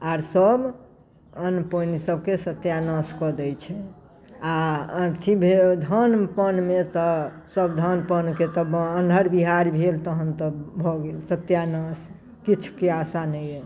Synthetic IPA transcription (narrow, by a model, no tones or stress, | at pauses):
aɾsəb | ənponisəbʱkesət̪janəskɔd̪ɛt͡ʃʰɛ | aənt̪ʰibʱed̪ʱənpənmet̪ɔ | səbd̪ʱənpənket̪əbːnʱəɾbiɦaɾbʱelt̪əɦənt̪əbʱɔɡelsət̪janəs | kit͡ʃʰu̥keasanəjɛ